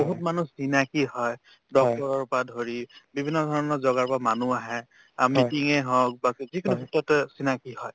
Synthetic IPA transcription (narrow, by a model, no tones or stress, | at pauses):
boɦut̚manusinakihɔj | dɔk̚tɔɹɔɹpadʱoɹibibʱinːɔdʱɔɹɔnɔzɔɡaɹpamanuaɦɛ̃ | amitiŋɛɦɔk̚bakzikunubʱutːɔtsinakihɔj